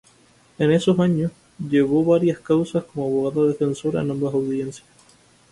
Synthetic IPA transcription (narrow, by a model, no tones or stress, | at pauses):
e̞ne̞so̞saɲos | ʝe̞βo̞βaɾjaskawsasko̞moaβo̞ɣaðaðe̞fe̞nso̞ɾa̰enãmbasawðje̞nsja